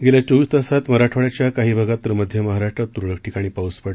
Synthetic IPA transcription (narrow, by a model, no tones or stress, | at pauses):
ɡeljat͡ɕoʋiːst̪əsat̪məɾaʈʰoʋɭjat͡ɕjakaɦiːbʱəɡat̪ːəɾməd̪ʱjəməɦaɾaʂʈɾat̪ːuɾɭək̚ʰʈikaɽ̃iːpauspəɽ